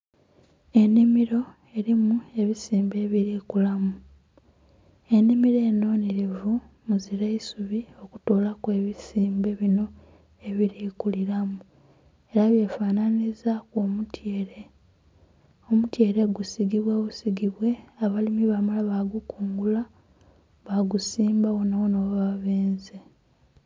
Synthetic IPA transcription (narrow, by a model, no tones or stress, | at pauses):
e̞nːimiɾo̞ | e̞ɾimue̞βisiːmbe̞βiɾikulamu | e̞nːimiɾeːno̞ːneɾevu | muziɾe̞isuβio̞ku̥to̞ːlakwe̞ːβisiːmbe̞βino̞ | e̞βiɾiːkuliɾamuu | e̞ɾaβje̞fananizakomutjeːɾe̞ | o̞mutje̞ːɾe̞ɡusiɡiβwaβusiɡiβwe̞aβalimiβamalaβaɡukuːŋɡula | βaɡusiːmbawonawono̞βaβeːnze